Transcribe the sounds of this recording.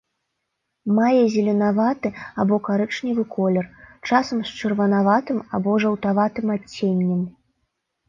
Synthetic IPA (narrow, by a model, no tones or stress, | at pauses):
majɛzʲɛlʲɛnavat̪ɨabɔkaɾɛt͡ʂnʲɛvɨkʰɔlʲɛrt͡ʂasɐmst͡ʂɨrvɐnavat̪ɨmabɔʐɐwt̪avat̪ɨmat͡sʲːenʲːɛm